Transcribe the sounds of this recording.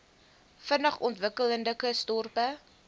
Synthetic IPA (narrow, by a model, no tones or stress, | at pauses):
fənəχɔntvəkələndəkəstɔrpə